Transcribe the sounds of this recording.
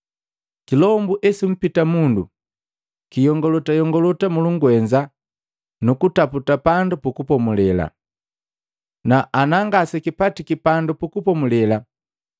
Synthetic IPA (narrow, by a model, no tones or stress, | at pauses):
kilɔmbuʔɛsim̩pitamundṵ | kijɔŋɡɔlɔtajɔŋɡɔlɔtamuluŋɡuɛɲd͡ʒa | nukutaputapandupukupɔmulɛla̰ | naʔanaŋɡasɛkipatikipandupukupɔmulɛla